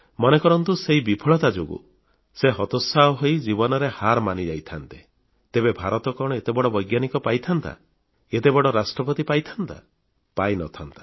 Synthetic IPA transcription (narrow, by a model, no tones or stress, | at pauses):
mɔnekɔɾɔnt̪useibipʰɔɭɔt̪ad͡ʒoɡṵ | seɦɔt̪osaɔɦojd͡ʒibɔnɔɾehaɾmanid͡ʒajt̪ʰant̪e | t̪ebebʱaɾɔt̪ɔkɔɽ̃ɔet̪ebɔɽɔbɔjɡjanikɔpajt̪ʰant̪a̰ | et̪ebɔɽɔɾasʈɾɔpɔt̪ipajt̪ʰant̪a̰ | pajnɔ̰t̪ʰant̪ḁ